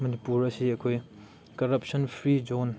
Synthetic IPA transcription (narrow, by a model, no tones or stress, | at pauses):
mɐnipuɾɐsiɐkʰoj | kɐɾɐpsɐnpʰɾid͡ʒon